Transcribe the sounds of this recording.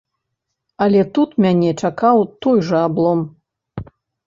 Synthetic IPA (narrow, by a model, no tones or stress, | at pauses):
alʲɛt̪ut̪mʲanʲɛt͡ʂakawt̪ɔjʐɐablˠɔm